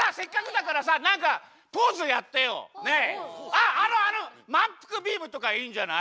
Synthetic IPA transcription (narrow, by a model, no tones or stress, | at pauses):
sasekːakɯd̪ak̬ɯɾas̬anaka | pozɯjat̪ːejo̰neaːɾoanɯmampʰɯ̥kɯbimɯt̪okaind͡ʑana̰